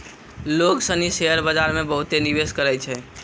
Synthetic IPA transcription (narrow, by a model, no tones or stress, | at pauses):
loksəniseəɾbəd͡ʒaɾmebəɦut̪eniʋeskəɾɛjt͡ʃʰɛ